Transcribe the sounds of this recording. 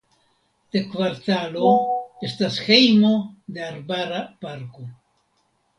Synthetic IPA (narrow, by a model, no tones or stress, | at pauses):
d̪̥ekvaɾt̪aloestasxejmo̞d̪eaɾbaɾapaɾko